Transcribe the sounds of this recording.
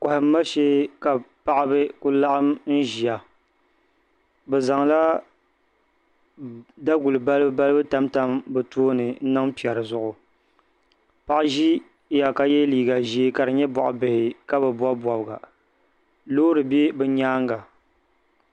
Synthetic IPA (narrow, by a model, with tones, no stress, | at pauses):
kɔ˨hɪ˨m̩˦ma˦ʃe˦ka˨pa˨ʔa˦bɨ˦kʊ˦la˦ʔa˦mn̩˦ʒi˨a˨ | bɛ˨za˨ŋla˦ | da˦ɡu˨lɨ˨ba˦lɨ˦ba˦lɨ˦bɨ˦ta˦mta˦mbɨ˨toː˦nɨ˨n̩˦nɨ˦ŋpi˨ɛ˨ɾɨ˨zʊ˦ʔʊ˨ | pa˨ʔɪ˦ʒi˦ | ja˨ka˦jɛ˦liː˨ɡa˨ʒi˨˦e˦ka˨ɾɨ˨ɲɛ˦bɔ˨ʔʊ˨bɨ˨hɪ˨ka˦bɛ˨ba˦bwɔ˨bɨ˨ɡa̰˨ | loː˦ɾɨ˨be˦bɛ˦ɲaː˦ŋ˦ɡa˨